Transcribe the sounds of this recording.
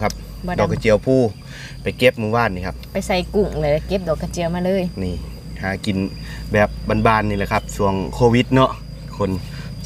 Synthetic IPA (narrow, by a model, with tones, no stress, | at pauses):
kʰa˧p̚ | dɔː˨˩kʰːa˧t͡ɕi˧˩əwpʰuː˧˩ | pa˨jke˧˥p̚muː˧˩waː˧˥˨nːiː˧˩kʰa˧p̚pa˨jsa˧˩jku˧˩ŋlɛ˧˩lke˧˦p̚dɔː˧˩kʰːa˧t͡ɕi˧˨ə˨wmaː˧lɤː˧˥˨jniː˧˩ | haː˨˦ki˨˩n | bɛː˨˩p̚baː˧˨nbaː˧˩˨nːiː˧˨lɛ˧˩kʰa˧˥p̚su˧˩əŋkʰoː˧wi˧˥t̪̚nɔ˧ʔ | kʰo˧˥˨n